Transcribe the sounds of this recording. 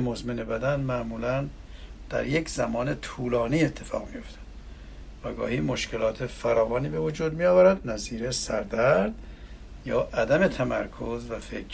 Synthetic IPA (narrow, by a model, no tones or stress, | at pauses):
mozmene̞bæd̪ænmæʔmuːlæn | d̪̥æ̰ɾjekʰz̥æmɒːnet̪ʰuːlɒːniːe̞t̪ʰːe̞fɒ̰ːɣmijo̞ft̪ʰæ̥d̪̥ | væɡɒ̰ːhiːmo̞ʃkʰe̞lɒːt̪ʰefæɾɒːvɒːniːbe̞vod͡ʒuːd̪mijɒːvæɾæd̪næziːɾesæɾd̪æɾd̪ | jɒːʔæd̪æme̞t̪ʰæmæɾkʰozvæfekʰ